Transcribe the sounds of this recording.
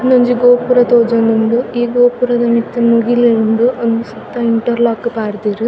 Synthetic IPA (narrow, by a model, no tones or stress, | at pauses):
noɲd͡ʒiɡoːpuɾɐt̪oːd͡ʒonuɳɖuiːɡoːpuɾɐd̪ɐmit̪ːumuɡiliuɳɖuɐnd̪usɐt̪ːɐiɳʈɐɾlaːkːupaːɾt̪iːɾi